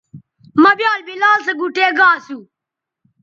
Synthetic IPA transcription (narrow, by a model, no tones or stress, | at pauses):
mɐbjaːlbilaːlsɐɡuʈeːɡaːsu